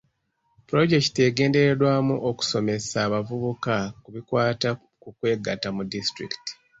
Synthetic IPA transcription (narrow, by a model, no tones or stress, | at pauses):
puɾo̞ɟe̞ki̥te̞ɡe̞ːnde̞ɾe̞dwaːmuʔo̞ku̥so̞me̞saːβavuβukakuβikwaːta | kukwe̞ːɡatamudistɾiki̥ti̥